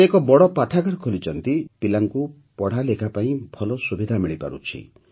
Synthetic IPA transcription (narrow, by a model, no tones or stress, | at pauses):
ekɔbɔɽɔpaʈʰaɡɔɾkʰolit͡ʃɔnt̪ipilaŋku | pɔɽ̤alekʰapaĩbʱɔlɔsubid̪ʱamiɭipa̰ɾṵt͡ʃʰḭ